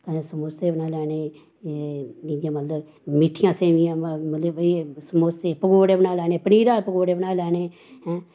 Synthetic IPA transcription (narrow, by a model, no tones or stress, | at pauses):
kə̃esəmoːseːbənaːlɛːneː | ed͡ʒid͡ʒãːmət̪ləb | mɪʈʰːijãːseːʋijãːmət̪ləbisəmoːseːpəɡoːɽeːbənaːlɛːneːpəniːɾaːpəɡoːɽeːbənaːlɛːneː | hɛ̃ː